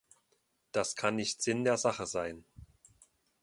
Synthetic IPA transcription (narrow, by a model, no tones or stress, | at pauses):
d̥askʰanːɪçtz̥ɪndeːɐzaχəzaɪn